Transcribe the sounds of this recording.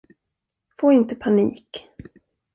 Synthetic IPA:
foːɪnt̪əpʰanḭːk

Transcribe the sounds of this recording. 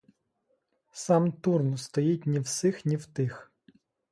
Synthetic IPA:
sɑmt̪urnʊst̪ɔjitʲnʲiwsɪxnʲiwt̪ɪx

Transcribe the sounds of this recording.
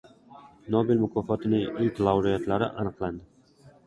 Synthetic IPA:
nobɪlmʊkʰɒfɒt̪ɪnɪŋɪlʲkʲlˠawɾijat̪laɾɪ̰ʔanɨqlˠand̪ɪ

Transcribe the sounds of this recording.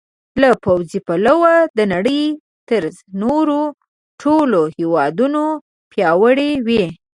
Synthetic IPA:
lapawzipalawad̪ənaɽəj | t̪əɾznoɾo | ʈʰolohewɑd̪uno | pjɑwəɽewe

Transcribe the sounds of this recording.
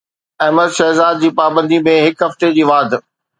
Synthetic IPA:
ɐɦməd̪ʃɛɦzaːd̪̚d͡ʑiːpaːbə̃nd̪imẽɦɪkɦɐft̪ed͡ʑiːʋaːd̪ʱ

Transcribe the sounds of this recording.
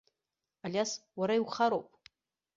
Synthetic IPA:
alʲjaswaɾaiwχaɾowpʼ

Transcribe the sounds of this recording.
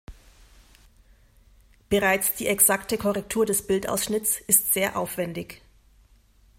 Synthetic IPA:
b̥əʁaɪt͡sd̥iːʔɛksaktəkʰɔʁɛk̚tʰuːɐdɛsb̥ɪltʔa̰ʊsʃnɪtt͡sʔɪstz̥eːɐʔaʊfv̥ɛndɪç

